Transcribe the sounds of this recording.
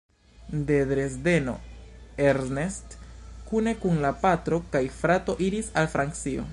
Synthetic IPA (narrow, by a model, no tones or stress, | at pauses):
de̞dɾe̞sde̞no̞̰eɾnestkune̞kunlapatɾo̞kajfɾato̞ʔiɾisalfɾaŋkt͡sio̞̰